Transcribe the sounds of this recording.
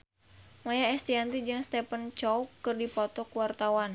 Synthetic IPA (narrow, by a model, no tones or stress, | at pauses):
majaɛst̪iant̪id͡ʒɨŋst̪ɛpənt͡ʃɔukɨrdipɔt̪ɔkuwart̪awan